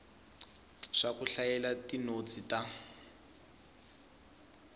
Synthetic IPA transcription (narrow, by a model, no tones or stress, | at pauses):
ʂakuɬajɛlatinot͡sʼita